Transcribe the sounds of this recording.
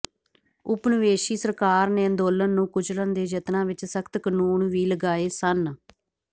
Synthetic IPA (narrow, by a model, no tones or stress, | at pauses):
ʊpnɪʋeːʃiːsəɾkaːɾneːənd̪oːlənːũːkʊd͡ʒlənd̪eːd͡ʒət̪nãːʋɪt͡ʃsəkʰt̪kənuːɳʋiːləɡaːeːsən